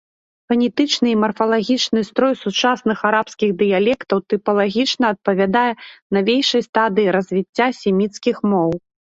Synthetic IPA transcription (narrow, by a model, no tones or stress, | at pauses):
fɐnʲit̪ɨt͡ʂnɨːmɐrfɐlˠaɣʲit͡ʂnɨst̪ɾɔjsut͡ʂasnɨxaɾapskʲiɣd̪ɨjalʲɛkt̪ɐwt̪ɨpɐlˠaɣʲit͡ʂnɐːt̪̚pɐvʲad̪ajɛnavʲejʂɐjst̪ad̪ɨiɾɐzʲvʲit͡sʲːasʲɛmʲit̪skʲixmɔw